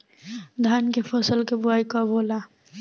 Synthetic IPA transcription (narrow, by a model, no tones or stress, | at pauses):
d̪ʱaːnkepʰɔsəlkebʊaːikɔboːla